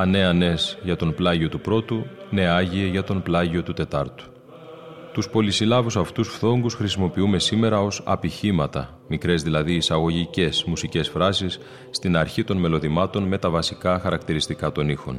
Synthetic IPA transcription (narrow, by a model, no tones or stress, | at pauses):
ɐne̞ɐne̞zʝɐt̪o̞nplɐʝio̞t̪upɾo̞t̪une̞ɐʝie̞ʝɐt̪o̞nplɐʝio̞t̪ut̪e̞t̪ɐɾt̪u̥ | t̪uspo̞lisilɐvusɐft̪usfθo̞ŋɡusxɾisimo̞piume̞sime̞ɾɐo̞sɐ̰piçimɐt̪ɐ̰ | mikɾe̞zðilɐðiːsɐɣo̞ʝice̞smusice̞sfɾɐsisː | t̪inɐɾçit̪o̞nme̞lo̞ðimɐt̪o̞nme̞t̪ɐvɐsikɐxɐɾɐkt̪iɾist̪ikɐt̪o̞nixo̞̰n